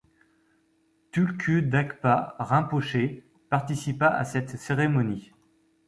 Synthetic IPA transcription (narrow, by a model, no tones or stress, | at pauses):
t̪ylkʰʲyd̪akpaʁɛ̃poʃe | paʁt̪isipaʔa̰sɛt̪seʁemɔni